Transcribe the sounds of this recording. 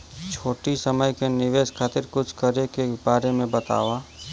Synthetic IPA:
t͡ʃʰoːʈisəməjkenɪʋeːʃkʰaːt̪ɪɾkʊt͡ʃʰkəɾekebaːɾemẽbɐt̪a̰ːʋaː

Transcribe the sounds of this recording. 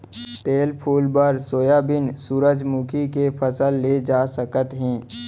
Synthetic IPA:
t̪eːlpʰuːlbəɾsoːjabɪnsuːɾəd͡ʒmuːkʰikefʰəsəlːed͡ʒaːsəkət̪ɦɛ̃ː

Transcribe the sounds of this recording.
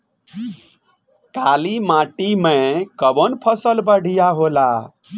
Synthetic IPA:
kalimãʈimekəbonpʰʌsəlbəɽʱijaɦola

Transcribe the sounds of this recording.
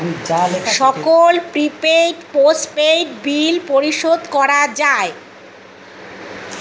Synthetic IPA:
aʃɔkkolpɾipeʈposʈpeʈbilpoɾiʃod̪kɔɾad͡ʑae

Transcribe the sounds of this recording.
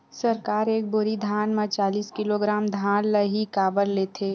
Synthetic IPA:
sɐɾkaːɾeːk̚bʊɾid̪ʱaːnmẽt͡ʃaːliːskɪloɡɾaːmd̪ʱaːnləɦikaːbəɾleːt̪ʰeː

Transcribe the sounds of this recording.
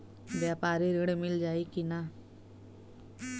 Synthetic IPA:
ʋjaːpaːɾiɾɪɽmɪld͡ʒaːikina

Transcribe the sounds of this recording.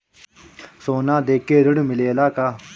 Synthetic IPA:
sonad̪ekeɾəɽmilelaka

